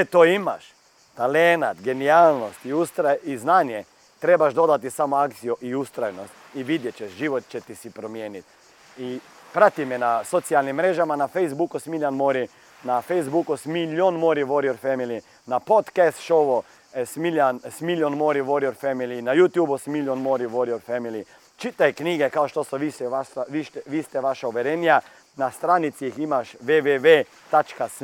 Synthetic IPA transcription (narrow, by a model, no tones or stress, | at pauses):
t̪oima̰ʃ | t̪alenat̪ɡenialnost̪iust̪ɾaiznaːnje | t̪ɾebaʃd̪od̪at̪isamoakt̪sijuʔiust̪ɾajnost̪iʋid̪jet͡ʃeʃʒiʋot̪̚t͡ʃɛt̪isipɾomjeːnit̪ | ipɾat̪imɛnasot̪sialnimːɾeʒamanafejzbukusmiljanmoɾi | nafejzbukusmiljonmoːɾiʋoɾioɾfɛmili | napot̪kɛst̪ʃoʋo | smiljansmiljonmoːɾiʋoɾioɾfɛmilinajuːt̪juːbusmiljonmoɾiʋoɾioɾfɛmili | t͡ʃit̪ajkniːɡɛkaoʃt̪osɔʋisɛʋasaʋiʃt̪ɛʋiːst̪ɛʋaʃauʋɛɾeːnja | nast̪ɾaːnit̪siiximaʃʋeʋeʋe | t̪at͡ʃkas